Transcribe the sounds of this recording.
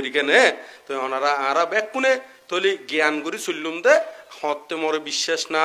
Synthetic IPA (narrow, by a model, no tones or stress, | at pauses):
ɾikenɛt̪ɔɔnaɾaãɾabɛkːune | t̪oɦliɡjankuɾisulːumt̪ɛhɔ̃t̪ːemɔɾebiʃːeʃna